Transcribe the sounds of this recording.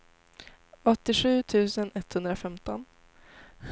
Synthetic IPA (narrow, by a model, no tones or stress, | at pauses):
ɔt̪ːɪɧʉ̟ːt̪ʰʉ̟ːsənʔɛt̪hɵnd̪ɾafɛmt̪ɔn | h